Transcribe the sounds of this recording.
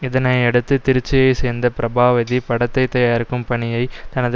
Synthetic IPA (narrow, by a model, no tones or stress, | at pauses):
ɪðɐnɐɪɛɽɯt̪ːɯt̪ɪɾɪt͡ʃːɪjɐɪseːnd̪ɐpɪɾɐbaːʋɐðipɐɽɐt̪ːɐɪt̪ːɐjaːɪɾɯkːɯmpɐɳɪjɐɪt̪ɐnɐð